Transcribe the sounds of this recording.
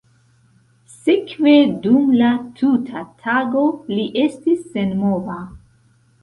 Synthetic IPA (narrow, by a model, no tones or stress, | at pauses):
sikve̞dumlatʰutʰatʰaɡo̞liʔe̞stisːe̞nmova